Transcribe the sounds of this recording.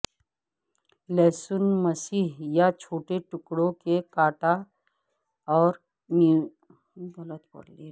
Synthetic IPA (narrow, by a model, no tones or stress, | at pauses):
lɛːsʊnmɐsiːɦjat͡ʃʰoːʈeʈʊkɽõkekaːʈa | ɔːɾ | ni | bələt̪pɐ̰ɽleː